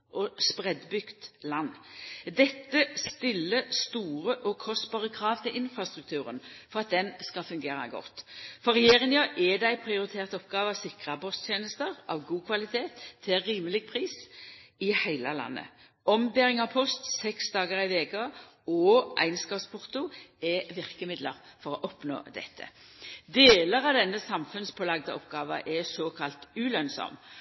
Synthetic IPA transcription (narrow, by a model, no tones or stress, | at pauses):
ʔɔspʁɛd̪bʏɡ̥t̪lɑnːd̪ɛt̪ːəst̪ɪlːəst̪uːʁəʔɔkʰɔst̪bɑːʁəkʰɾɑːʋt̪ʰɪlɪnfɾɑst̪ʁʉk̚t̪ʰʉːʁənfɔʁɑt̪̚d̪ɛnskɑfʉŋɡeːɾɑ̰ɡɔ̰t̪ːfɔʁɛjeːʁɪŋjøʔɛd̪æɪpʰʁɪʊɾɪt̪ʰeːʁt̪əɔpɡɑːʋəɑʋsɪkʁɑpʰɔst̪ʰjeːnəst̪əʁʔɑ̰ʋɡuːkʰʋɑlɪt̪ʰeːt̪ʰːɪlɾiːməlɪɡ̚pʰʁiːsɪhæɪləlɑ̰nːə̰ | ɔmbeːʁɪŋɑʋpʰɔst̪sɛksd̪ɑːɡəʁɪʋeːkəɔʔæ̰ɪnskɑːspʰʊʁt̪ʊɛʋɪʁkəmɪd̪ləʁfɔʁɔʔɔpno̰ːd̪ɛ̰t̪ʰːə̰d̪eːləʁɑʋd̪ɛnːəsɑmfʉnspʰoːlɑɡ̚d̪ə̰ɔpɡɑːʋə̰ʔɛsoːkʰɑlt̪ʉːlœnsɔ̰m